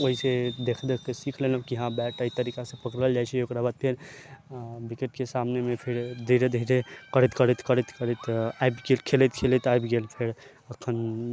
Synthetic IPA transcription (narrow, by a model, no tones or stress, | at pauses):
oɦised̪ekʰd̪ekːesikʰlenəbkiɦãbɛʈəit̪əɾikasẽpəkɾəld͡ʒajt͡ʃʰeokɾabat̪ʰːen | bikeʈkesamnemepʰiɾd̪ʱiɾed̪ʱiɾekəɾət̪kəɾət̪kəɾət̪kəɾət̪ajbɡelkʰelet̪kʰelet̪ajbɡelpʰeɾ | əkʰən